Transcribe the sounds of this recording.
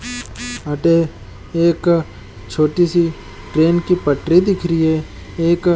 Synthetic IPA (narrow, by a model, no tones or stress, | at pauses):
ɐʈe | eːk | t͡ʃʰoːʈisi | ʈɾeːnkipəʈɾid̪ɪkʰɾiɛ | eːk